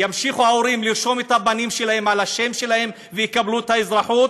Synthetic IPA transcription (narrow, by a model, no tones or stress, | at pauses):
jamʃiχuhao̞ʁimliʁʃo̞met̪habanimʃe̞lahe̞malaʃe̞mʃe̞lahe̞m | vejikabluet̪haezʁaħut̪̚